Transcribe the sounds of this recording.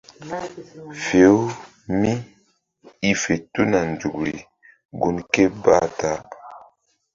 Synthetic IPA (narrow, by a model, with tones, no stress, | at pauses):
fe˨˦ | mi˦ | i˦fe˨tu˦na˨n˨d͡ʒu˨kɾi˨ | ɡu˦nke˦ba˦˨ta˦